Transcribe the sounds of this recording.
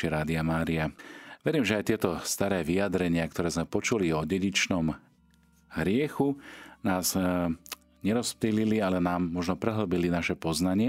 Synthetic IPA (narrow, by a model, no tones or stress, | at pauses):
iɾaːd̪iamaːɾiaʋɛɾiːmʒɛajt̪ɪɛt̪ɔst̪aɾɛːʋijad̪ɾɛɲɪak̚t̪ɔɾɛːzmɛpɔt͡ʃuliɔɟɛɟit͡ʃnɔm | ɦɾɪɛxunaːz | ɲɛɾɔsplililialɛnaːmːɔʒnɔpɾɛɦl̩bilinaʃɛpɔznaɲɪɛ